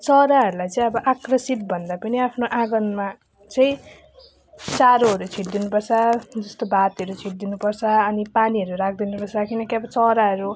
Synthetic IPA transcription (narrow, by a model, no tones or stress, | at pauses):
t͡sʌɾaɦʌɾulajt͡sʌĩʌbʌʔakrʌsit̪̚bʱʌnd̪apʌniapʰnoʔãɡʌnma | t͡sʌĩ | t͡saɾoɦʌɾut͡sʰiʈd̪inupʌrt͡sʰʌd͡zʌst̪obʱat̪ʌɾut͡sʰiʈ̚d̪inupʌrt͡sʰʌːnipaniɦʌɾuɾak̚ʰd̪inupʌrt͡sʰʌkinʌkeʌbʌt͡sʌɾaɦʌɾu